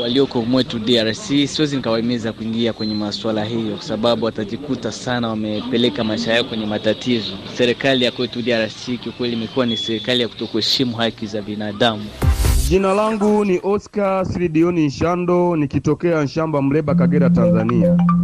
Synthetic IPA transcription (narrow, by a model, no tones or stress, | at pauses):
waliɔkɔmwɛtudiaɾasisiwɛzinikawaɛmizakuiŋɡiakwɛɲɛmaswalaɦijɔkwḁsaɓaɓuwataʄikutasanawamɛpɛlɛkamaiʃajaɔkwɛɲɛmatatizɔsɛɾɛkalijakwɛtudiaɾasikiukwɛliːmɛkuwanisɛɾɛkalijaku̥tɔkuhɛʃimuhakizabinaːɗamuʄinalaŋɡuniʔɔskasɾiɗiɔnin̩ʃandɔnikitɔkɛan̩ʃambam̩lɛɓakaɡɛɾatanzania